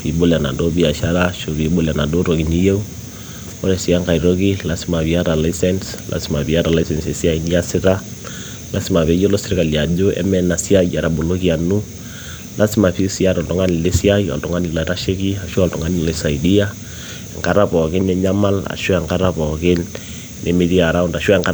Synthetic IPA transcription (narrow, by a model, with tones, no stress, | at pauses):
i˨bo˦la˨na̰˨do˦bi˦a˨ʃa˦ɾa˦ʃo˨βi˨bo˦la˨na˨do˦ɾo˨ki˨ni˦je˦u˦ | ɔ˦ɾɛ˨si˨a˦ŋka˨i˨ɾo˦ki˦la˨si˦ma˨βi˨a˦ɾa˨la˦isɛ˦ns | lʔa̰˨si˦ma˨pi˨a˦ɾa˨la˦i˦sɛ˨nsɛ˨si˦a˦i˦ni˦a˦sɪ˦ɾa˦ | lʔa˦si˦ma˨βe˨˦jo˦lo˦sɪ˦ɾɪ˦ka˨li˨a˨d͡ʒo˦ɛ̰˦mɛ˦na˨si˦a˦ja˨ɾa˨bo˨lo˦ki˦a˨nu˦ | lʔa˦si˦ma˨pi˦si˦a˦ɾɔ˨ltɔ˨ŋa˦ni˨le˦si˦a˦ia̰˨ltɔ˨ŋa˦ni˨la˨ɾa˦ʃe˦ki˦a˨ʃu˦a˦ltɔ˨ŋa˦ni˨le˦sa˨idi˦a˦˨ | ŋka˦ɾa˦pɔ˨kɪ˦ne˦ɲa˦ma˦la̰˨ʃwa˨ŋka˦ɾa˦pɔ˨ke˦n | nʔḛ˨me˦ði˦a˨ɾa˦u˦nda˨ʃwa˦˨ŋka˦